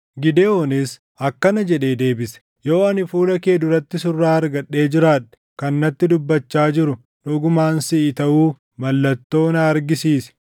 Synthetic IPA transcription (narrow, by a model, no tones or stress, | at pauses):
ɡɪd̪eonɪs | ɐkːɐnɐd͡ʒɛᶑe̞ːd̪e̞ːbɪsɛ̥ | jo̞ːɐnɪfuːlɐke̞ːd̪ʊɾɐt̪ːɪsʊrːaːɐɾɡɐᶑːe̞ːd͡ʒɪɾaːᶑɐ̥ | kɐnːɐt̪ːɪd̪ʊbːɐt͡ʃːaːd͡ʒɪɾʊ | ᶑʊɡʊmaːnsɪʔɪt̪ɐʔuː | mɐlːɐt̪ːo̞ːnɐːɾɡɪsiːsɛ̥